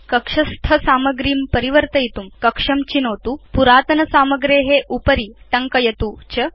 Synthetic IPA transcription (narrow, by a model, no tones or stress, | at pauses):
kɐkʂɐst̪ʰɐsaːmɐɡɾiːmpəɾiʋəɾt̪ɐjit̪uːmkɐkʂɐmt͡ɕinoːt̪uːpuɾaːt̪ɐnɐsaːmɐɡɾeːɦeʔupəɾiːʈɐŋkɐjɐt̪ut͡ɕə